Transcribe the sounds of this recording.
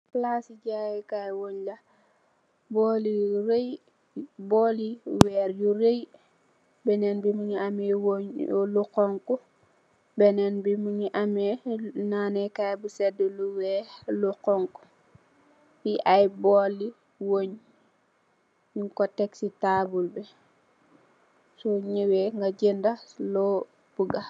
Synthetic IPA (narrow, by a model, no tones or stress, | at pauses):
plasiɟajkajwoɲlɐ | bɔliɾej | boːliwɛːɾjuɾej | bɛnɛnbimiɲiamɛwoɲluqɔŋku | bɛnɛnbimuɲiʔamɛnanɛkajbusɛdəluwɛlukɔŋku̥ | jiʔajboːli | woɲ | juŋkɔtɛksitaːbulbɛ | sɔɲiwɛŋɡaɟendalo | b̥uɡa